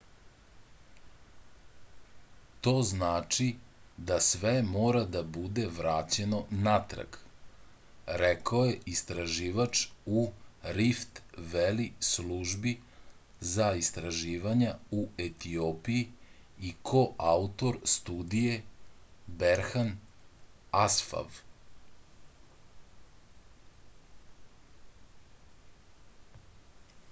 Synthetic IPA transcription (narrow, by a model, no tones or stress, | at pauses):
t̪o̞ːznaːt͡ʃid̪asʋemoːɾad̪abud̪e̞ʋɾat͡ɕe̞no̞nat̪ɾa̰ɡ | ɾekaojeist̪ɾaʒiːʋat͡ʂuɾift̪ʋelisluʒbi | zaist̪ɾaʒiːʋaɲauet̪iopiji | ikʰoʔaut̪o̞ɾst̪uːd̪ije̞ | beɾxan | asfa̰v